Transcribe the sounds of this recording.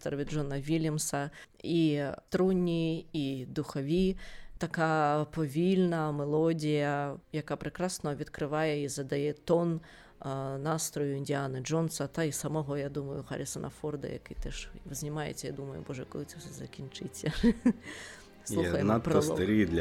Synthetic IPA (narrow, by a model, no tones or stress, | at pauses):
t̪ɐɾvʲiʐɔnɐvʲilʲɐmsɐ | it̪ɾunʲːiid̪uxɐvʲit̪akapɐvʲilʲnɐmɛlˠɔdʲijɐjakapɾɨkɾasnɐvʲit̪kɾɨvajɛizɐd̪ajɛt̪ɔnː | ast̪ɾɔjuinʲdʲianɨʐɔnsɐt̪aisɐmɔɦɔjad̪umɐjʊxa̰ɾʲɛsɐnʔɐ̰fɔrd̪ɐ̰ja̰kɨt̪ɛʂvɨzʲnʲimajɛ̰t͡sʲɐjad̪umɐjṵbɔʐɛkɔlˠɨt̪ʲɛsʲɐzɐkʲint͡ʂɨt͡sʲːɐ | suɐxɐjnapɾɐssˠɔt̪ɐɾɨd̪lʲ